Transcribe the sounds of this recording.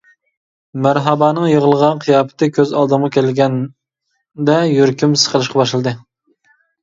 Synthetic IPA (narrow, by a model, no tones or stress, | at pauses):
mæɾɦɑbɑːnɨŋjəʁəlˠəʁɑnqʰijɑːpɨ̥t̪ʰɨkʲʰøzɑlˠd̪ɨmʁɑkʲʰɛlɡʲɛn | d̪ɛjyɾkʲymsə̥qʰəlˠɨʃqɑbɑʃlˠɨd̪ɨ